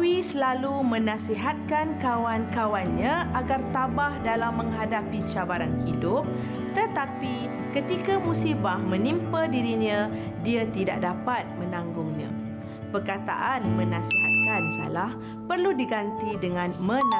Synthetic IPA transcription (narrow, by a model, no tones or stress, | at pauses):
wisəlalumə̃nãsiɦat̪̚kankawankawanɲaʔaɡart̪abahdalamːə̃ŋɦadapit͡ʃabaɾanhidʊp̚ | t̪ət̪api | kət̪ikamũsibahmə̃nimpədiɾiɲã | diat̪ida̰ʔ̚dapat̪̚mə̃nãŋɡʊŋɲã̰ | pərkat̪a̰ʔanmə̃nãsiɦat̪̚kansa̰lah | pərludiɡant̪idəŋãnmə̃n